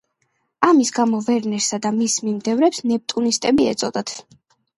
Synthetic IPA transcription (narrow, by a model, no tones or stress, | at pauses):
amisɡamɔvɛɾnɛɾsad̪amismimd̪ɛvɾɛpsnɛp̚t̪ʼunist̪ʼɛbiɛ̰t̪sʼɔd̪at̪ʰ